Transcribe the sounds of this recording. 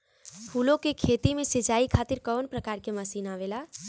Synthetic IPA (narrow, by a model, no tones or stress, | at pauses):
huːlõkekʰeːt̪imẽsɪd͡ʒaːikʰaːt̪ɪɾkɔːnpɾəkaːɾkeməsiːnaːʋelaː